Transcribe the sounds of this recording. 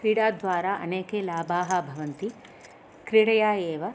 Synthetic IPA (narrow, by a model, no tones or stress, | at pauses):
kɾiːɽaːd̪ʋaːɾaʔɐ̰neːkeːlaːbaːɦɐbʱɐʋɐnt̪i | kɾiɽɐjaːeːʋɐ